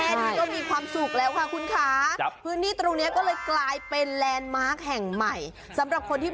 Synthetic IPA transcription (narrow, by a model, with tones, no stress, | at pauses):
kɔː˥˩miː˧kʰwaː˧msu˨˩k̚lɛː˦˥wkʰa˥˩kʰu˧nkʰaː˩˦pʰɯː˦˥nt̪iː˥˩t̪ɾo˧ŋni˦˥ɐkɔː˥˩lɤː˧jklaː˧jpe˧nlɛː˧nmaː˦˥˩k̚hɛ˨˩ŋma˨˩j | sa˩˦mɾa˨˩p̚kʰo˧nt̪ʰiː˥˩